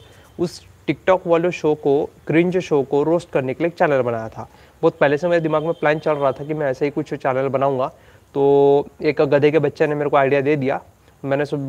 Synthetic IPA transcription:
ʊs | ʈɪk̚ʈɔːkʋaːloʃoːkoɡɾĩːnd͡ʒoʃoːkoɾoːsʈkɐɾnekeliek̚t͡ʃɛːɾnəlbɐnaːjat̪ʰa̰ː | bɔːt̪̚pɛɦlesemeːɾed̪ɪmaːɡmẽplɛ̃ːnt͡ʃɐlɾɐɦat̪ʰakimɛ̃ɛːsaɦikʊt͡ʃʰt͡ʃɛːɾnəlbɐnaːũːŋɡaː | t̪oːeːkɡɐd̪ʱekebɐtːʃenemeːɾekoaːɪɖijad̪eːd̪ijaː | mɛ̃ːnes

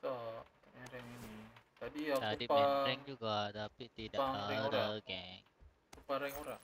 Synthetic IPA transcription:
t̪aʔt̪mɛɾɛŋinit̪adiat̪adipaɾɛŋd͡ʒuɡat̪apit̪idaaaɛɾaɡɛŋ | upaɾɛŋoɾa

